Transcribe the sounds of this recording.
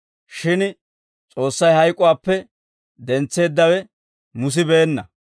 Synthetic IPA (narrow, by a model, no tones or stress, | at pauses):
ʃɪn | t͡sʼo̞ːsːɐjhɐjkʼʊwaːpːɛ | d̪ɛnt͡sːe̞ːd̪ːɐwɛ | mʊs̬ɪbeːnːɐ